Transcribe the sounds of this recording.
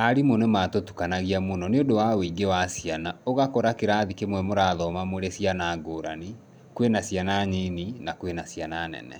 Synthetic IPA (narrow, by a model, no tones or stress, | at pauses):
aɾimonematotu̥kanaɣiamonɔneodowaweiɡewasjanaoɣakɔɾakeɾaðikemwɛmoɾaðɔmamoɾesianaɡoːɾani | kwenasianaɲininakwenasjananɛ̰nɛ̰